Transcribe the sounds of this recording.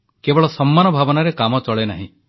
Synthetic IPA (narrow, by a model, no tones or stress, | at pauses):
kebɔɭɔsɔmːanɔbʱabɔnaɾekamɔt͡ʃɔɭenaɦḭ̃